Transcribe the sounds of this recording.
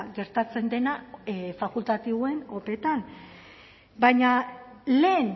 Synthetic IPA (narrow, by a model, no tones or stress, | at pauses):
ɡe̞ɾt̪at͡se̞nd̪e̞nafakult̪at̪iβoe̞nope̞t̪an | bajɲale̞ːn